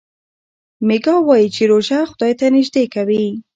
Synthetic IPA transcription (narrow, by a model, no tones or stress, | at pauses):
mɪɡɑwɑjit͡ʃeɾoʒaxʊd̪ɑjt̪anɪʒd̪ekawi